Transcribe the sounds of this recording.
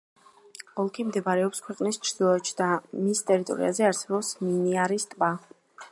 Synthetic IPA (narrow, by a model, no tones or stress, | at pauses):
ɔlˠkʰimd̪ɛbaɾɛɔpskʰwɛqʼnist͡ʃʰɾd̪̥ilˠɔɛt͡ʃd̪̥amist̪ʼɛɾit̪ʼɔ̰ɾḭazɛaɾsɛbɔpsminiaɾist̪ʼba